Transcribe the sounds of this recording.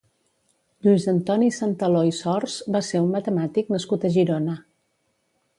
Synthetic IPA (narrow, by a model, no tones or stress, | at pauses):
ʎuizənt̪ɔnisant̪əloisɔrzbaseunmət̪əmat̪iknəskut̪əʒiɾonə